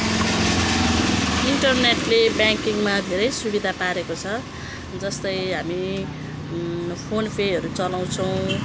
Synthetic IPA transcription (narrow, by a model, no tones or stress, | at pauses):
iɳʈʌrneʈlebjaŋkiŋmad̪ʱeɾʌjsubid̪ʱapaɾekot͡sʰʌ | d͡zʌst̪ʌjɦami | pʰonpʰejʌɾut͡sʌlaw̃t͡sʰʌw̃